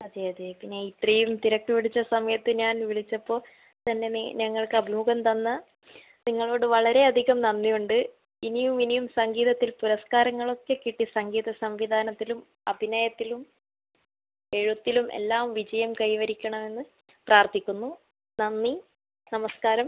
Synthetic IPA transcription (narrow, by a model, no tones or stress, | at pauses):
ɐðeɐðepinːe̞it̪rijumt̪iɾɐkːuʋiɭit͡ɕːɐsɐmɐjɐt̪ːɨɲaːnʋiɭit͡ɕːɐpːo̞ː | t̪ɐnːe̞nɐŋːɐɭkɨɐbʱimuɣɐmt̪ɐnːɐ | niŋːɐɭo̞ːɽɨʋɐɭɐɾe̞ɐd̪ʱiɣɐmnɐnːijuɳɖɨ | inijuminijumsɐŋɡiːðɐt̪ːilpuɾɐskaːɾɐŋːɐɭo̞kːe̞kiʈːisɐŋɡiːðɐsɐmʋid̪ʱaːnɐt̪ːilum | ɐbʱinaːjɐt̪ːilum | e̞ɻut̪ːilumʔe̞̰lːaːmʋid͡ʑɐjɐmkɐjʋɐɾikʲːɐɳɐme̞nːɨ | praːrt̪ikʲːunːu | nɐnːi | nɐmɐskaːɾɐm